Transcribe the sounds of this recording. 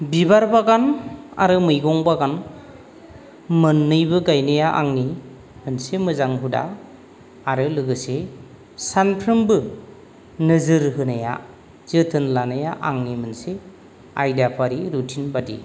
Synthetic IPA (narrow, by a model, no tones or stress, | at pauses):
bibaɾbaɡana̰ɾɯmɯjɡɔŋbaɡan | mɯnːɯjbɯɡajnajaʔaŋni | mɯnsemɯzaŋɦuda̰ː | ɾɯlɯɡɯse | sanpʰɾɯmbɯ | nɯzɯɾɦɯnaja̰ | z̥ɯtʰɯnlanajaʔaŋnimɯnse | ajdapʰaɾiɾutʰinbadḭ